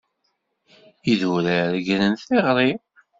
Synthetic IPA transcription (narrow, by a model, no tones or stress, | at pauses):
iðuɾæɾɡɾənθeʁɾˤi